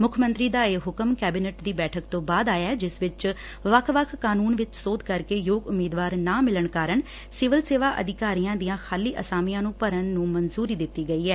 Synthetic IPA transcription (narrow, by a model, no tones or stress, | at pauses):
mʊkʰmə̃nt̪ɾiːd̪aːeːɦʊkəmkɛːbinɛʈd̪iːbɛːʈʰəkt̪õːbaːd̪aːjaːɛːd͡ʒɪsʋɪt͡ʃ | ʋəkʰʋəkʰːaːnuːnʋɪt͡ʃsoːd̪kəɾkeːjoːɡʊmiːd̪ʋaːɾnãːmɪləɳkaːɾəɳ | sɪʋəlseːʋaːʔə̰d̪ɪkaːɾijãːd̪ijãːxʰaːliːʔəsaːmijãːnũːpəɾənːũːmənzuːɾiːd̪ɪt̪ːiːɡəiːɛː